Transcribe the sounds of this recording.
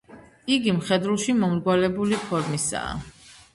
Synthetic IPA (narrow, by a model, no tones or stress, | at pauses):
iɡimχɛd̪ulˠʃimɔmɾɡwalɛbulipʰɔɾmisa̰ː